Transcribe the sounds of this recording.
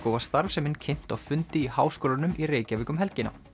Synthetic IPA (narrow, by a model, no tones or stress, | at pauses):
kɔːwvḁst̪aɾvsɛmɪnːcʰen̥t̪awfʏnt̪ɪihaːwskoːlanʏmʔireːjcavɪːkʏmɦɛlcɪna̰